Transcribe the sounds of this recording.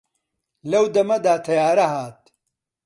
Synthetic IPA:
lɐwd̪ɐmɐd̪aːt̪ʰɐjaːɾɐɦaːt̪̚

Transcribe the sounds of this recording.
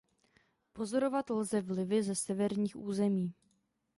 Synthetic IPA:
po̞zo̞ɾo̞vat̪lzɛvlɪvɪzɛsɛvɛɾɲiːxʔuːzɛmiː

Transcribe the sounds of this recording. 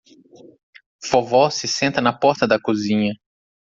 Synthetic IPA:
fovɔsɪsẽnt̪ɐnɐpɔɾt̪ɐd̪ɐkuzĩɲɐ

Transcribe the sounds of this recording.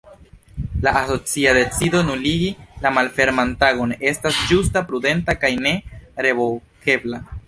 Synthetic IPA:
laaso̞t͡siade̞t͡sido̞nuliɡilamalfe̞ɾmantaɡo̞ne̞stasd͡ʒustapɾude̞ntakajne̞ɾe̞vo̞lke̞bla

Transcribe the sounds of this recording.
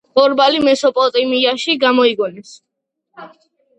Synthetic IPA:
ɔɾbalimɛsɔpʼɔt̪ʼimiaʃiɡamɔiɡɔnɛs

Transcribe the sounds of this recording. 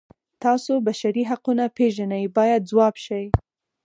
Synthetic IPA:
t̪ɑsobaʃaɾiɦaqunapeʒanajbɑjad̪̚zwɑbʃaj

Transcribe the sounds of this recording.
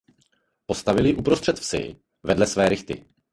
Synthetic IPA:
po̞st̪avɪlɪʔupɾo̞st̪r̥ɛt̪fsɪ̰ | vɛdlɛsvɛːɾɪxt̪ɪ̰

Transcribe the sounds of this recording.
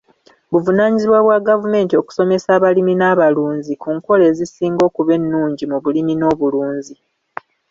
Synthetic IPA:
βuvunaːɲiziβwaβwaɡavume̞ːntio̞ku̥so̞me̞saːβaliminaβaluːɲzikuːŋko̞le̞ːzisiːŋɡo̞ːkuβe̞nːuːɲɟimuβulimino̞ːβuluːɲzi

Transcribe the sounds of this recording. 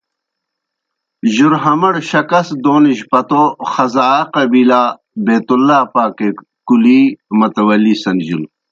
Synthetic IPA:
ʑuɾɦɐmɐɽɕɐkɐsd̪oːniɕpɐt̪oxɐzaːqɐbiːlaː | beːt̪ulːaːpaːke | kulimɐt̪ɐwɐlːiːsɐnd͡ʑul

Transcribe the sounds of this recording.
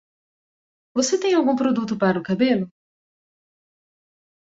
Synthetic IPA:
voset̪ẽj̃awɡũpɾod̪ut̪ʊpaɾɐʊkabelʊ

